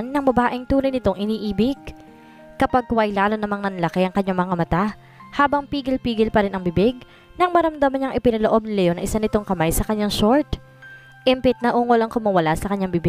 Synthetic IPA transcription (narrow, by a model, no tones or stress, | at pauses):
nːɐŋbɐbaːʔɪŋt̪uːnɐjnɪt̪o̞ŋʔɪniːʔiːbɪɡ̚ | kɐpaɡ̚kʊajlaːlonɐmaŋnɐnlɐkɛjʔɐŋkɐɲːaŋmɐŋamɐt̪a | haːbɐŋpiːɡɪlpiːɡɪlpɐɾɪnɐŋbɪbɪɡ̚ | nɐŋmɐɾɐmd̪amɐnɲɐŋʔɪpɪnɐloʔo̞b̚nɪlɐjonɐ̰ʔɪsanɪt̪o̞ŋkɐmajsɐkɐɲːaŋʃoɹt̪ | ʔɪmpɪt̪̚nɐʔuːŋolɐŋkʊmɐwɐlasɐkɐɲːaŋbɪbɪɡ